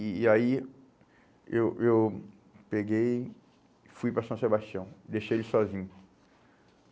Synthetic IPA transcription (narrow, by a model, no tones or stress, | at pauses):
ai | ewʔew | peɡej | fujpɾɐsɐ̃w̃sebaʃt͡ʃiɐ̃w̃d̪ejʃejlɪsɔzĩɲʊ